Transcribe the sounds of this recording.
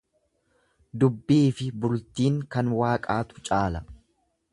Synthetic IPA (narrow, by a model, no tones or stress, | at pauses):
d̪ʊbːiːfɪbʊlt̪iːŋkɐnwaːkʼaːt̪ʊ̥t͡ʃʼaːlɐ